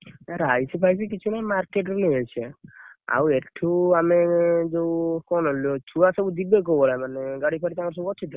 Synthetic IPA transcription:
aɾajsipʰajsikit͡ʃʰunajmaɾkeʈɾuniɦɔjt͡ʃʰea̰weʈʰːuamed͡ʒewkɔnɔljot͡ʃʰuasɔbud̪ibek̬ɔbɔɾamaneɡaɽipʰaɽit̪amɔɾs̬ɔbuɔt͡ʃʰid̪a

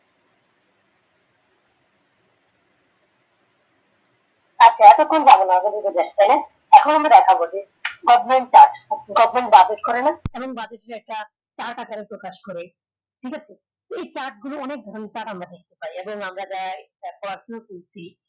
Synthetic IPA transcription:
at͡ɕʰaɛt̪okonod͡ʑabenaaɡoded̪ed̪eʃt̪ajna | ɛkʰonamɾad̪ɛkʰabod͡ʑe | ɡɔvment͡ɕaɾʈɡɔvmenʈbad͡ʑeʈkɔɾenaeboŋbad͡ʑeʈeɾɛk̚ʈa | t͡ɕaɾʈakaɾeɾpɾokaʃkɔɾe | ʈʰikat͡ɕʰe | t̪oet͡ɕaɾʈ̚ɡuloɔnek̚d̪ʱɔɾoneɾt͡ɕaɾʈamɾad̪ek̚ʰt̪epaɾieboŋamɾad͡ʑaeapɔɾasnokuɾt͡ɕʰi

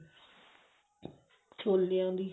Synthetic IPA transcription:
t͡ʃʰoːljãːd̪iː

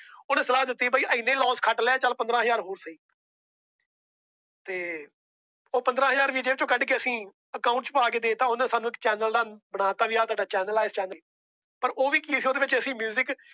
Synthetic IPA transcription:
oːñːsəlaːɦd̪ɪt̪ːiːbaːiːʔəɪnːẽːlɔ̃ːskʰəʈlɛaːt͡ʃəlpənd̪ɾãːɦəzaːɾɦoːɾsəiː | t̪eː | oːpənd̪ɾãːɦəzaːɾʋiːd͡ʒeːʋt͡ʃõːkəɖkeːəsĩː | əkaːʊɳʈspaːk̬eːd̪eːt̪ãːʊnãːsaːnũːɪkt͡ʃɛːnəld̪aːbəɽ̃aːt̪aːʋiːaːt̪aːɖaːt͡ʃɛːnəlaːɪst͡ʃɛːnəː | pəɾʔoːʋiːkiːsioːd̪eːʋɪt͡ʃəsĩːmjuːzɪk

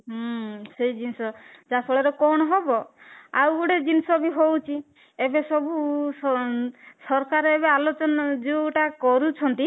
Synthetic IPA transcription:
ɦsejd͡ʒinisɔd͡ʒapʰɔɭɔɾɔkɔɳ̃ɔɦebɔawɡuɽed͡ʒinisɔbiɦowt͡ʃʰi | ebesɔbu | sɔɾkaɾɔebealot͡ʃɔnɔd͡ʒewʈakɔɾut͡ʃʰɔnt̪i

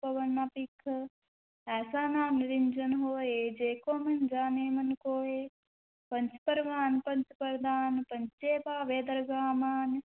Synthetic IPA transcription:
pɐʋɐnːaːpikʰː | ɛːsaːnaːmniɾind͡ʒɐnɦoːeːd͡ʒeːkoːmɐnd͡ʒaːneːmɐnkoːeː | pɐnt͡ʃpɐɾʋaːnpɐnt͡ʃpɐɾd̪aːnpɐnt͡ʃeːpaːʋeːd̪ɐɾɡaːmaːn

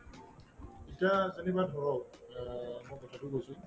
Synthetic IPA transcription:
itiazenibadʱɔɹɔw | mɔjkɔtʰatʊɡosũj

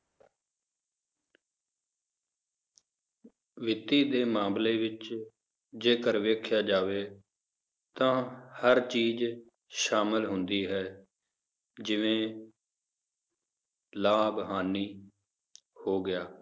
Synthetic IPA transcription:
ʋɪt̪ːiːd̪eːmãːmleːʋɪt͡ʃ | d͡ʒeːkəɾʋeːkʰjaːd͡ʒaːʋeː | t̪ãːhəɾt͡ʃiːd͡ʒ | ʃaːmɪlɦʊnd̪iːɦɛː | d͡ʒɪʋẽː | laːbəɦaːniː | hoːɡɪjaː

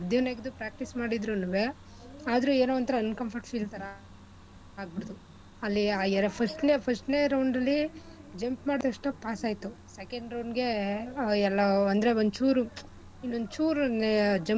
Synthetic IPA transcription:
d̪jɐneɡd̪upɾaːk̚ʈismaːɽid̪ɾunuʋe | aːd̪ɐɾueːnoːʋɐnt̪ɐɾɐɐnkɐmpʰɐɾʈfiːlt̪ɐɾa | aːɡ̚biɽɐd̪u | ɐlːiaːɛɾɐpʰɐsʈnepʰɐsʈneɾɐwɳɾɐlːi | d͡ʒɐmpmaːɽd̪ɐʂʈɐpaːsaːjt̪u | sekeɳɖɾɐwɳɡe̞ | ɛlːɐɐnd̪ɾe̞ond̪ut͡ʃuːɾu | inːond̪ut͡ʃuːɾned͡ʒem

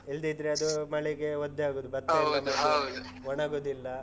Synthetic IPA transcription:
eld̪id̪ɾeɐd̪umɐɭɛɡeʋod̪ːeaːɡod̪ubɐt̪ːanɐɐud̪u | ɔɳaːɡoːd̪ilːɐ

